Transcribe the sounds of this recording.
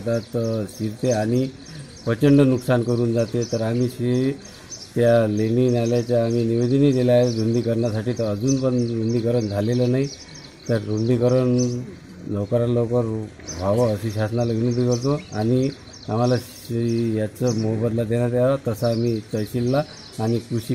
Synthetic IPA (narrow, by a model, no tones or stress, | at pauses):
t̪at̪siɾt̪eaɽ̃i | pət͡ɕəɳɖənuksankəɾuːnd͡zat̪et̪əɾamiɕe | t̪jaleninaljat͡ɕjaːm̤iniʋed̪əniːd̪eljad͡zund̪ikəɾɳjasaʈiːt̪əəd͡zuːnpəɳd͡zund̪ikəɾəɳd͡zʱalelənai | t̪əɾɾund̪ikəɾəɳ | nəwkəɾalowkəɾ | ʋaʋəəɕiɕasənaləɡnid̪ikəɾt̪oaɽ̃i | am̤ala | jat͡səmoɦbəd̪lad̪eɽ̃jat̪jaat̪əsəam̤it͡səjɕilːaː | ñikuɕi